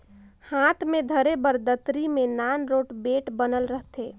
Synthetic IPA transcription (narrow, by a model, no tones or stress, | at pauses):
haːt̪ʰmẽd̪ʱəɾebəɾd̪ət̪ɾimẽnaːnɾoːʈbeːʈbənəlɾəɦt̪eː